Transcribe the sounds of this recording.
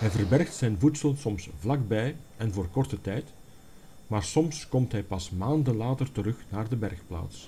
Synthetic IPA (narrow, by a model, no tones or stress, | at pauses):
ɦɛjvərbɛrxtsɛjnvutsəlˠsɔmsvlɑɡbɛjɛnvoːrkɔrtətɛjt | maːrsɔmskɔmtɦɛjpɑsmaːndənlaːtərtəɾɵxnaːrdəbɛrxpla̰ːts